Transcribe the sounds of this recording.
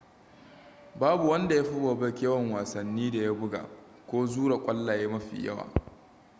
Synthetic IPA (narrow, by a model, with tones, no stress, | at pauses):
baː˦bu˨wɐ˦nda˨ja˦ɸi˦bo˨bɐ˦kʲe˦wɐ˨ŋwaː˨sɐ˨nːiː˦da˨ja˦bʊ˦ɡa̰ː˨ | kʷoː˦zuː˦ɾa˨kʷʼɐ˦lːa˨ja˦mɐ˦ɸḭ˨jɐ̰˦wa̰ː˨